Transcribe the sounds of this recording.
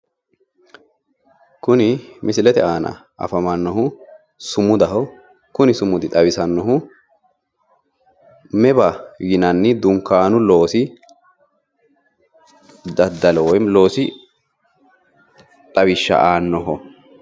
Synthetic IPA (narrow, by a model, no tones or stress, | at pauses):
kʊnɪmɪsɪlɛt̪ɛaːnɐ̰ | ʔɐ̰fɐmɐnːɔɦʊ | sʊmʊd̪ɐɦɔ | kʊnɪsʊmʊd̪ɪt̪ʼɐwɪsɐnːɔɦʊ | mɛbɐjɪnɐnːɪd̪ʊŋkːaːnʊlo̞ːsɪ | d̪ɐd̪ːɐlɛwɔjmlo̞ːsɪ | t̪ʼɐwɪʃːɐ̰ʔaːnːɔɦɔ